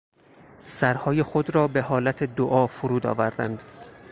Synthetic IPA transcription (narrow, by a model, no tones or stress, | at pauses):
sæɾhɒːje̞xod̪ɾɒːbe̞ɦɒːlæt̪ʰe̞d̪oʔɒːfoɾuːd̪ɒ̰ːvæɾd̪æ̰nd̪̥